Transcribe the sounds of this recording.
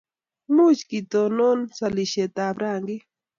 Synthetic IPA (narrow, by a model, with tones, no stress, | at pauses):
mu˦t͡ʃki˨t̪o˨nɔ˦nsa˨li˨ʃe˨t̪a˨bɾaː˨ŋɡi˦